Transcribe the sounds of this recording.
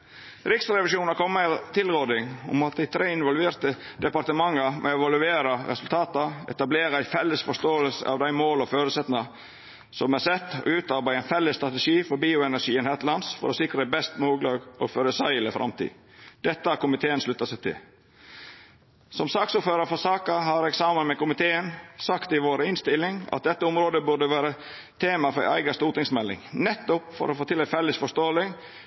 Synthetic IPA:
ɾɪksɾɛʋɪʃuːnɑɾkʰɔmːət̪ʰɪlɾoːd̪ɪŋʊ̰mɑt̪̚d̪æɪt̪ʰɾeːɪnʋɔlʋeːɾt̪ə | d̪ɛpɑɾt̪əmɑŋːəmʔɛ̰ɛʋɑlʉeːɾəɾɛ̰sʉlt̪ʰɑːt̪ɑɛ̰t̪ɑbleːɾəæɪfɛlːəsfɔʂt̪oːəlsə̰ʔɑ̰ʋd̪æɪmoːlɔføːɾəsɛt̪nɑ | sɔmæɾsɛt̪ːɔ̰ʉːt̪ɑɾbæɪæɪnfɛlːəst̪ɾɑt̪əʂiːfɔɾbiːʊɛnæʂiːɛnhɛt̪lɑnsfɔ̰ɾɔsɪkɾəbɛst̪moːɡlɑːɡʔɔføːɾəsæɪləfɾʔɑ̰mt̪ʰḭː | d̪̥ɛt̪ːəɑɾkʊmɪt̪ʰeːənslʉt̪ːɑsɛt̪ʰɪ̰l | sɔmsɑːksuːɾføːɾəɾfɔsɑːkɑhɑɾɛksɑːmənmɛkʊmɪt̪ʰeːənsɑkt̪ɪʋoːɾəɪnst̪ɪlːɪŋɑ̰t̪̚d̪ɛt̪ːəʊmɾoːd̪əbʉd̪əʋæːɾə | t̪ʰeːmɑfɔɾæ̰ɪɡɑst̪uːɾt̪ɪŋsmɛlːɪ̰ŋnɛt̪ːʊpfɔ̰ɾɔfoːt̪ɪlɛfɛlːəsfɔʂt̪oːlɪŋ

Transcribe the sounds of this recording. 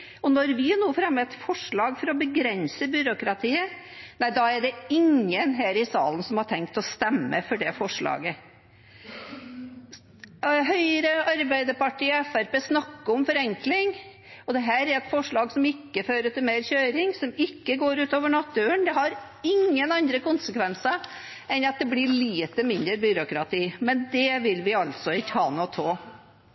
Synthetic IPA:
ɔnɔɾʋɪnuːfɾɑmːəɛt̪fɔʂɭɑːɡfɔɾɔbəɡɾɛnsəbʏɾʊkɾɑt̪ʰiːə | næɪd̪ɑæɖɛɪŋːənɦæːɾɪsɑ̰ːlənsɔmhɑʈʰɛŋk̚t̪ɔst̪ɛmːə̰fɔɖɛfɔʂɭɑ̰ːɡə | ɦœʏəɾəɑɾbæɪd̪əpɑʈiːɛfæɾpeːsnɑkːəɔmfɔɾɛŋklɪŋ | ɔd̪ɛɦæːɾæɾɛt̪fɔʂɭɑːɡsɔmɪkːəføːɾət̪ʰɪlmeːɾçøːɾɪŋsɔmɪkːəɡoːɾʉːt̪oːʋəɳɑt̪ːʉənd̪ɛhɑɾ | ɪŋːənɑnd̪ɾəkʊnsəkʋɛnsə | ɛnɑt̪̚d̪ɛblɪɭiːt̪əmɪnd̪əɾbʏɾʊkɾɑt̪ʰiːmɛnd̪ɛʋɪlʋɪɑlt̪sɔɪt̪ʰɑːnot̪ʰoː

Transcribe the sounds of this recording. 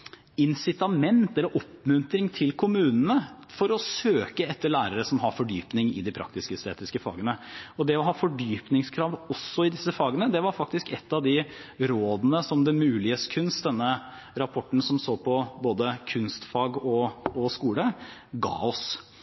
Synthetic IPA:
ɪnsɪt̪ɑmɛnt̪ɛlːəɾʔɔpːmʉnt̪ɾɪŋt̪ʰɪlkʰʊmʉːnn̩əfɔɾɔsøːkəɛt̪ːəɭæːɾəɾəsɔmɦɑɾfɔɖyːpnɪŋɪ̰d̪ɪpʰɾɑ̰k̚t̪ɪskəɛst̪ḛːt̪ɪskəfɑ̰ːɡənəɔd̪ɛɔɦɑːfɔɖyːpnɪŋskʰɾɑːʋɔsːɔɪd̪ɪsːəfɑːɡənəd̪ɛʋɑɾfɑkt̪ɪskɛt̪ːɑʋd̪ɪɾoːd̪ənəsɔmd̪ɛmʉːlɪəskʰʉnst̪̚d̪ɛnːə | ɾɑpʰɔʈːn̩sɔmsoːpʰɔboːd̪əkʰʉnst̪fɑːɡɔɔskuːləɡɑ̰ːɔs

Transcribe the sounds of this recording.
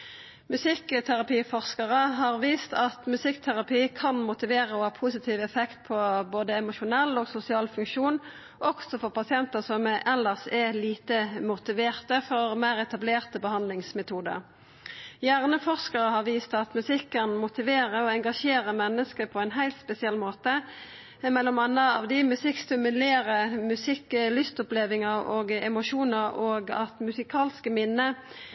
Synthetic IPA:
mʉsɪkːt̪ʰæʁɑpiːfɔʁskɑʁəɦɑʁʋiːst̪ɑt̪mʉsɪkt̪ʰæʁɑpiːkʰɑnmʊt̪ɪʋeːʁəɔhɑːpʰusɪt̪ʰiːʋɛfɛkt̪̚pʰɔboːd̪əɛmʊʃʊnɛlːoːɡsʊsɪɑːlfʉŋkʃuːn | ʔɔksɔfɔʁpɑsɪɛnt̪əsɔmɛʔɛlːəʁsɛliːt̪əmʊt̪ɪʋeːʁt̪əfɔʁmæɪʁɛt̪ɑbleːʁt̪əbəhɑnd̪lɪŋsmɛt̪ʰuːd̪ə̰ʁ | jæːʁnəfɔʁʂkəʁəhɑʁʋiːst̪ɑt̪mʉsɪkːənmʊt̪ɪʋeːɾəɔɛŋɡɑʂeːɾəmɛnːəskəpʰɔɛnɦæɪlt̪spɛsɪɛlːmoːt̪ə | mɛlːɔmɑnːəɑʋd̪ɪmʉsɪkst̪ʉmʉleːɾəmʉsɪkːlʏst̪ɔpleːʋɪŋəʁoːɡɛmʊʃuːnəɾoːɡɑ̰t̪mʉsɪkʰɑːlskəmɪnːə

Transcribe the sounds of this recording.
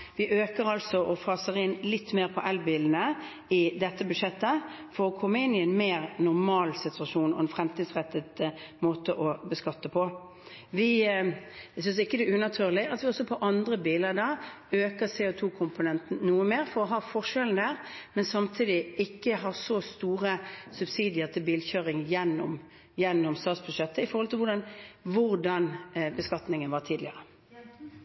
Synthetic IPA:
ʋɪʔøːkəɾɑlsɔʔɔfɑːsəʁɪnlɪt̪ːmeːʁpʰɔʔɛlbiːln̩ə | ɪd̪ɛt̪ːəbʉd̪ʂɛt̪ːəfɔɾɔkʰɔmːəɪnɪɛɪnmeːʁnʊʁmɑːlsɪt̪ʉɑʂuːnɔ̰ɛnfɾɛmt̪ʰiːd̪sʁɛt̪ːəd̪moːt̪əʔɔbəskɑt̪ːəpʰɔ | ʋɪ | sʏns̬ɪkːəd̪ɛʉnɑt̪ʰyːʁlɪɑt̪ʋɪɔsːɔpʰɔʔɑnd̪ʁəbiːləɾd̪ɑ | øːkəʁsɛɔt̪ʰuːkʰʊmpʊnɛnt̪n̩nuːəmeːɾfɔɾʁɔɦɑːfɔʁʂɛln̩d̪æːʁmɛnsɑmt̪ʰiːd̪ɪɪkːəɦɑʁsɔst̪uːʁəsʉbsiːd̪ɪəʁt̪ʰɪlbiːlçøːʁɪŋjɛnːɔm | jɛnːɔmst̪ɑːt̪sbʉʂɛt̪ːəɪfɔɾʁɔlt̪ɪlʋʊɖɑnʋʊɾd̪ɑnbəskɑt̪nɪŋənʋɑt̪ʰiːd̪lɪəʁə

